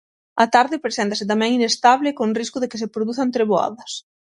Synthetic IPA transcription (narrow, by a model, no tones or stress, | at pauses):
ɐt̪aɾðɪpɾesent̪ɐsɪt̪amɛ̃ŋinest̪aβlɪkoŋriskʊðekɪsepɾoðuθɐnt̪ɾeβoa̰ðɐs